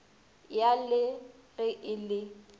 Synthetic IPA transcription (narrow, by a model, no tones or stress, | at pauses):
jalɪ | rɪʔɪlɪ